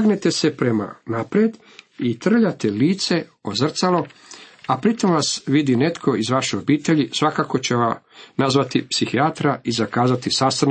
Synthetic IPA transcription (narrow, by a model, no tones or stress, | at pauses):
ɡnet̪e̞se̞pɾe̞ma̰napɾed̪ | it̪r̩ʎat̪eliːt̪se̞ozr̩t̪salo̞apɾit̪o̞mʋasʋid̪ine̞t̪kʰo̞izʋaʃejo̞biːt̪eʎisʋakako̞t͡ɕe̞ʋanazʋat̪ipsixiat̪ɾaizakaːzat̪isast̪an